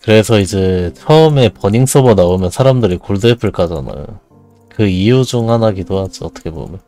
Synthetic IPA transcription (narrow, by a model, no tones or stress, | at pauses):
kɯɾe̞sʰʌid͡ʑe̞t͡ɕʰʌɯme̞pʌɲiŋs͈ʰʌbanaomjʌnsʰaɾamdɯɾikoɭdepʰɯɭk͈ad͡ʑa̰na̰jo̰ | kɯijud͡ʑuŋhanaɡitoat͡ɕ͈iʌt͈ʌ̥kʰe̞bo̰mjʌ